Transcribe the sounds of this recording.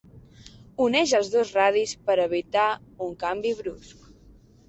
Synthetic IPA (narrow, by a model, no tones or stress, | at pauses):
unɛʒəlˠzðozraðispəɾəβit̪auŋkambiβɾusk